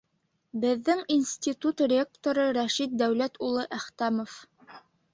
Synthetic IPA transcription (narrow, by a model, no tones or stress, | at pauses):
bɘ̆ðːɘŋinsʲt̪ʲit̪ut̪rʲek̚t̪oɾɤɾæʃit̪̚d̪æwlæt̪ulˠɤʔæχt̪æmof